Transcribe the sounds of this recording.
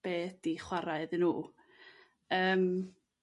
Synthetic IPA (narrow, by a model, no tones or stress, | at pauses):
b̥eːd̥iχwaɾaɨðɨnuː | əːm